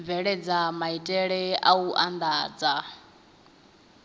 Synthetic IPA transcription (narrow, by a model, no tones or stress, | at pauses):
vɛɺɛd͡zamaitʼɛɺɛʔauʔand̪aːd͡za